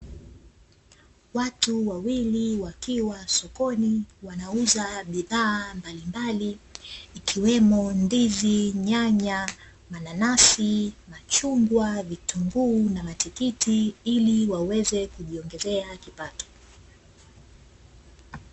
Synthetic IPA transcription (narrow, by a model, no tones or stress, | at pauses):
watuwawiliwakiwasɔkɔniwanauzaɓiðaːmbalimbaliː | kʰiwɛmɔndiziɲaɲa | mananasimat͡ʃuŋɡwavituŋɡunamatikitiiliwawɛzɛkuʄiɔŋɡɛzɛakipatɔ̥